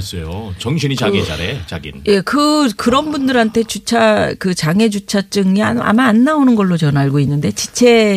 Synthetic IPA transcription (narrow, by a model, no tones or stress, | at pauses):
s͈ʌjot͡ɕʌŋɕʰinit͡ɕaɡid͡ʑa̰ɾet͡ɕa̰ɡinje̞kɯkɯɾʌnbundɯɾɦantʰe̞t͡ɕut͡ɕʰakɯt͡ɕaŋe̞d͡ʑut͡ɕʰat͡ɕ͈ɯŋia̰a̰maːnːaonɯnɡʌɭːot͡ɕʌnaɭɡoinːɯnde̞t͡ɕit͡ɕʰe̞